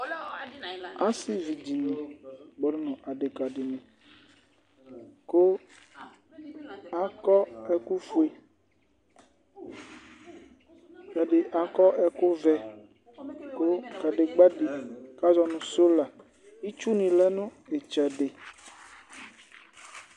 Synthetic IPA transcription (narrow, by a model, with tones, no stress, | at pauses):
a˦si˦vi˨d͡ʒi˨nĩ˨ɡ͡bɔ˨˦no˦nɔ̃˨ʔa˨ɖe˨ka˨ɖe˨nẽ˨ | ko˦ | a˨kɔ˦ɛ˦ku˦fu˨e˨ | ɛ˨ɖe˨ʔa˨kɔ˦ʔɛ˦ko˦vɛ˦ | ko˦ka˨ɖe˨ɡ͡ba˦ɖe˨ka˦d͡ʒɔ˨nũ˨so˦la˨ | i˦t͡ʃu˦nĩ˨lɛ˦nũ˦e˨t͡ʃɛ˨ɖe˨